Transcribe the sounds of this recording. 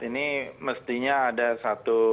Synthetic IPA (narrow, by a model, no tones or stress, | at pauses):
iniməst̪iɲaːdasat̪u